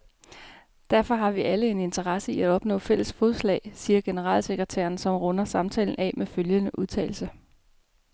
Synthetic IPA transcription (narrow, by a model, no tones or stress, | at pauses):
d̥æɐfɒ̽ɦɑ̈ʋiʔæləe̝ne̝nt͡sʰəʁɑ̈səiæɒ̽b̥nɔ̰̽ːfel̰əsfɔðˠslɛ̰ːɪsiːɐɡ̥e̝nəʁɑ̰̈ːlse̝ɡ̥ʁət͡sʰæ̰ːɐnsɒ̽mʁɔnɐsɑ̈mt͡sʰɛ̰ːln̩ʔɛ̰meføljənəʔuð̞ˠt͡sʰɛ̰ːɪl̩sə